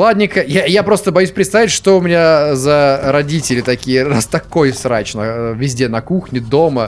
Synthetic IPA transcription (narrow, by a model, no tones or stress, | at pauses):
lˠad̪nʲɪkəjajapɾo̞st̪əbɐjʉsʲpɾʲɪt̪st̪avʲɪtʲʂt̪o̞ʊmʲɪnʲazəɾɐdʲitʲɪlʲɪt̪ɐkʲijərɐst̪ɐko̞jsɾat͡ɕnəvʲɪzʲdʲe̞nɐkuxnʲɪd̪o̞mə